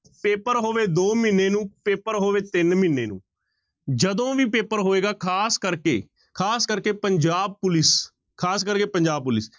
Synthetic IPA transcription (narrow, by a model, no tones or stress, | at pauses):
peːpəɾɦoːʋeːd̪oːmɪnːeːnũːpeːpəɾɦoːʋeːt̪ɪnmɪnːḛːnṵ̃ː | d͡ʒəd̪õːʋiːpeːpəɾɦoːeːɡaːkʰaːskəɾkḛː | kʰaːskəɾkeːpəɲd͡ʒaːb̚pʊlɪs | kʰaːskəɾkeːpəɲd͡ʒaːb̚pʊlɪs